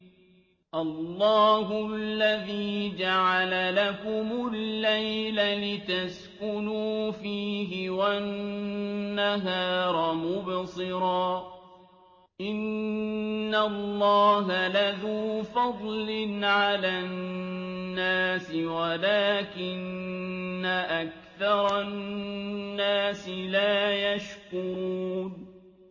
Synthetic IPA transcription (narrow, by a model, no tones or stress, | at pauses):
ʔɑlˤːɑːɦʊlːaðiːd͡ʒaʕalalakʊmʊlːajlalɪt̪askʊnuːfiːɦɪwanː | aɦaːɾˤɑmʊbsɨɾɑː | ʔɪnː | alːɑːɦalaðuːfɑd̪ˤlɪnʕala | aːsɪwalaːkɪnː | aʔak | θɑɾˤɑ | nːaːsɪlaːjaʃkʊɾuuːn